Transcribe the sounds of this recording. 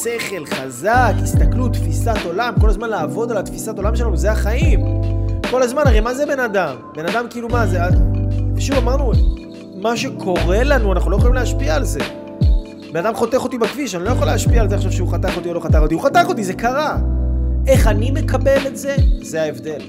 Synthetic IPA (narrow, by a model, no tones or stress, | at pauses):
se̞χe̞lχazakist̪aklut̪fisat̪o̞lamko̞lazmanlaːvo̞d̪alat̪fisato̞lamʃelanuzeaχaimko̞lazmanaʁejmazebe̞nadambe̞nad̪amkiilumazea | ʃuvamaʁnu | maʃe̞kʰo̞ʁe̞lanuanaχnulojeχolimleaʃpiaːlze̞ | benad̪amχo̞t̪eχo̞t̪ibakviʃanilojeχolehaʃpiaːlzeaχʃavʃeuχat̪aχo̞t̪io̞lo̞χat̪aχo̞t̪ihuχat̪aχo̞t̪̬ize̞kaʁa | ʔe̞χanime̞kabe̞letze̞zeaevd̪e̞l